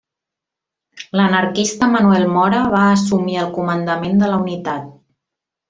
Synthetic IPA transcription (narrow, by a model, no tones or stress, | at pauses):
lənəɾkist̪əmənuɛlˠmɔɾəβaːsumiəlˠkumənd̪əmend̪ələunit̪at̪̚